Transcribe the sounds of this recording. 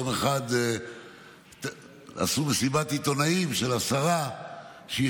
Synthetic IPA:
meχad̪ | a̰sumesibat̪it̪o̞naimʃelasaʁa | ʃe

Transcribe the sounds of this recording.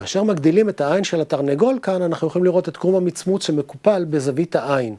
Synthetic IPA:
kaːʃeʁmaɡdilimethaajnʃelataʁneɡo̞lkananaχnujoχoimliʁo̞t̪e̞tɡ̥ʁumhamit͡smut͡sʃemekupalbe̞zavithaʔain

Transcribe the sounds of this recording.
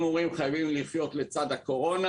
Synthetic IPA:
muʁimχajavimliχjo̞t̪let͡sad̪hako̞ʁo̞na

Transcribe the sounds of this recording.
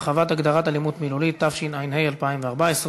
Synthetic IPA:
avat̪aɡd̪aʁat̪alimut̪milulit̪ːafʃinajnhejalpaimveaʁbaesʁ

